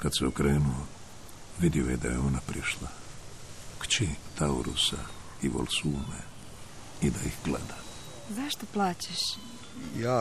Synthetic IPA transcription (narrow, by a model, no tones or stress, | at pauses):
kad̪sɛokɾe̞ːnuo | ʋid̪iojed̪ajeonapɾiʃlˠa | kt͡ʃit̪ʰauɾṵsa | iʋo̰lsuːme | id̪aixɡlḛd̪a | zaʃt̪oplˠaːt͡ɕeʃ | jaː